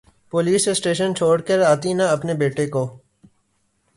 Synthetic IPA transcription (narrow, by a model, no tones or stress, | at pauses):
poːliːsesʈeːʃənt͡ʃʰoːɽkəɾaːt̪iːnɐɐpneːbeːʈeːkoː